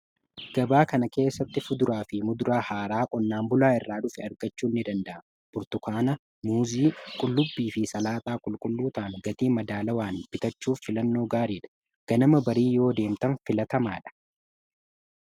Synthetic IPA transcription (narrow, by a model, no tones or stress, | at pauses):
ɡ̥ɐbaːkɐnɐke̞ːsːɐt̪ːɪfʊd̪ʊɾaːfɪmʊd̪ʊɾaːhaːɾaːkʼɔnːaːmbʊlaːɪrːaːᶑʊfɛɐɾɡɐt͡ʃːuːnːɪd̪ɐnd̪ɐʔɐ | b̥ʊɾt̪ʊkʰaːnɐ | muːziːkʼʊlːʊbːiːfɪsɐlaːt̪aːkʼʊlkʼʊlːuːt̪ɐːŋɡɐt̪iːmɐd̪aːlɐwaːnbɪt̪ɐt͡ʃːuːfːɪlɐnːo̞ːɡaːɾiːᶑɐ̥ | ɡ̥ɐnɐmɐbɐɾiːjo̞ːd̪e̞ːmt̪ɐnfɪlɐt̪ɐma̰ːᶑɐ̥